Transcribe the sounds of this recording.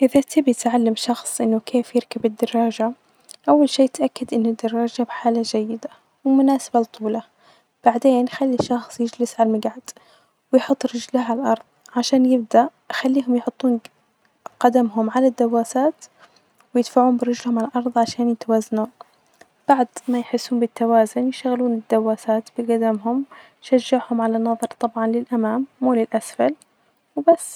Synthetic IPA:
ʔɪðat̪ʰɪbjɪt̪ʕalːamʃɑxsˤʔɪnːʊkʰeːfjɪɾkabɪd̪ːɑrˤːɑːd͡ʒa | ʔawːalʃiːjɪt̪ʔakːad̪ʔɪnːʊd̪ːɑrˤːɑːd͡ʒabħaːlad͡ʒajːɪd̪a | wɪmʊnaːsabalt̪ʰˤːuːla | b̥aʕd̪eːnjxalːiʃɑxsˤjɪd͡ʒlɪsʕalmaɡʕad̪̥ | wɪjħʊt̪ˤːɾɪd͡ʒlaalʔɑɾˤðˤ | ʕaʃaːnjɪb̚d̪aʔ | xalːiːɦʊmjħʊt̪ˤːuːn | qad̪amɦʊmʕalad̪ːawːaːsaːt̪ | wɪjɪd̪faʕuːmbɪɾɪd͡ʒlhʊmʕalalʔɑɾˤðˤʕaʃaːnjɪt̪awaːzːanuːn | b̥aʕd̪majħɪsːuːnbɪt̪ːawaːzʊnjɪʃt̪aɣluːnɪd̪ːawːaːsaːt̪bɪɡad̪amɦʊm | ʃaʒːaʕhʊmʕalanːɑðˤɑɾˤt̪ˤɑbʕɑnlɪlʔamaːmːuːlɪlʔasfal | wbasː

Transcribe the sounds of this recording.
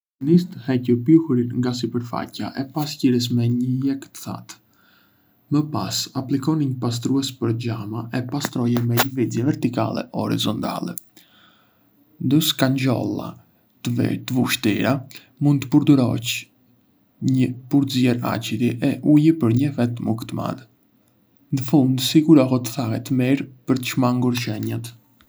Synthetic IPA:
nist̪əhɛcupjuhuɾinŋɡas̬ipəɾfa̰caʔɛpasciɾəs̬mɛɲəjɛkt̪ə̥θa̰t̪ | məpa̰saplikɔniɲəpas̬t̪ɾuɛspəɾd͡ʑamaɛpast̪ɾɔjɛmɛɲəvizjɛvɛɾt̪ika̰lɛ̰ʔɔɾḭzɔnt̪a̰lɛ̰ | nd̪uskaɲd͡ʑɔ̰lˠa̰ | t̪vt̪əvuʃt̪ḭɾa | mund̪t̪əpuɾd̪uɾɔ̰c | ɲəpuɾzjɛɾa̰t͡ʃiɾiʔɛʔujəpəɾɲəfɛt̪mukt̪ma̰n | nəfund̪siɡuɾɔɦɔt̪ə̥θahɛt̪əmiɾpəɾt̪ə̥ʃmaŋɡuɾʃɛɲat̪

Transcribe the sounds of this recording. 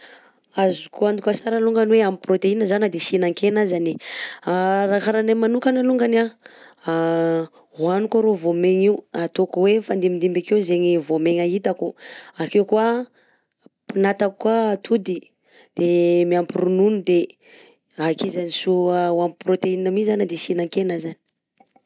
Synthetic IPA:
azukuand̪ukasaɾaluŋɡaniweamiprot̪einəzanad̪esinaŋkenazaniaɾakaɾanamanukanaluŋɡanaa | ɦwanikaɾovomeŋiwat̪okuwefand̪emind̪imbakewzeŋivomeŋaɦit̪akuakewkua | pinat̪akkːuat̪ʰud̪i | d̪̥emiampirununid̪e | akezanisuawamiprot̪einəmizanad̪esinaŋkenazani̥

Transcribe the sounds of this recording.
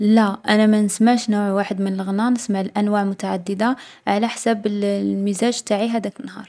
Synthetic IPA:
læʔænæmænəsmaʕʃnuʕwaħəd̪mənəlɣnɑnəsmaʕlʔænwaʕmʊt̪aʕad̪ːəd̪a | ʕalæħsæbəlmizæʒt̪ːaʕiɦæd̪ækənːhɑ̰ɾˤ

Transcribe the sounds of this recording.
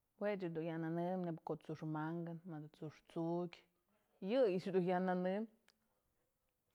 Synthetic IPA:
wet͡ʃɨd̪unjananɨmnebkot͡suʂmaŋɡɨnmad̪ut͡suʂt͡sukʲ | jɨit͡ʃd̪ujananɨm

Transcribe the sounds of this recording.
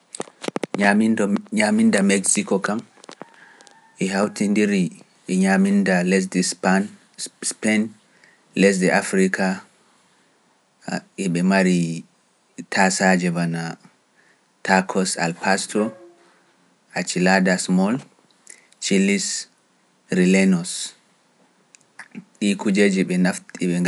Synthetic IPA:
aɲamindamɛksikɔkam | ɛɦawtindiɾi | ɛɲamindalɛs̬dɛspan | spɛn | lɛs̬dɛʔafɾika | ɛɓɛmaɾi | tʰasad͡ʒɛvana | tʰakʰɔsa̰lpʰastɔ | ʔat͡ʃiladasmɔl | t͡ʃilis | ɾilɛnɔs | ʔikud͡ʒed͡ʒiɓɛnaftʼiɓɛŋ

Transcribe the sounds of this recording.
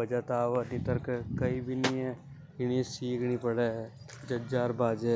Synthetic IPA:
ɐd͡ʒat̪aːʋɐnit̪əɾkkɐibʱɪniẽ | ɡɪñisiːkʰnipɐɽe | d͡ʒɐd͡ʒaːɾbaːd͡ʒe

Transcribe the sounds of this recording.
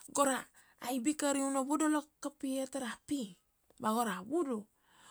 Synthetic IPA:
ɡoɾaː | jbikaɾiunaβodolakːapietaɾapi | baɡoɾabudo

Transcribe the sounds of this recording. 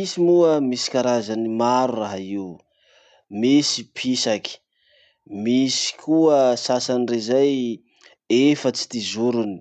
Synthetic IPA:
isimuəmisi̥kaɾazanimaɾuraɦaiw | misipʰisaki̥ | misi̥kʰuəsasanirezaj | efət͡si̥t̪izuɾuni̥

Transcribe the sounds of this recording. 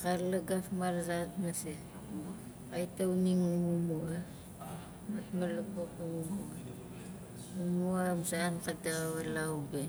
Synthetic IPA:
kalaɡafmarsatmase | ajtauniŋumumua | matmalakokumumua | umuamsaːnkataaβalawbe

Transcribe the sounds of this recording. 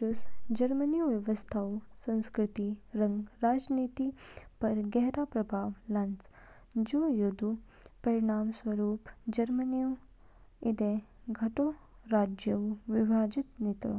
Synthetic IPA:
usd͡ʒɐɾmɐnijuʋjɐʋɐst̪ʰawsɐ̃nskɾɪt̪iɾɐŋɡɾaːd͡ʒniːt̪ipɐɾɡɛɦɾaːpɾɐbʱaːʋlɐns | d͡ʒojod̪u | pɐɾiɳaːmswɐɾuːpd͡ʒɐɾmɐniju | id̪e | ɡʱɐʈo | ɾaːd͡ʒjɐʋʋibʱaːd͡ʒit̪nit̪o̰

